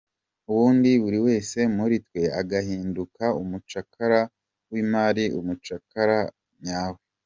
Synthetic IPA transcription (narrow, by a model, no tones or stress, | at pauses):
uβuːndiβuɾiwe̞ːse̞muɾitwe̞aɡahiːndukaumut͡ʃakʰaɾa | wimaːɾiumut͡ʃakaɾa | ɲaːwe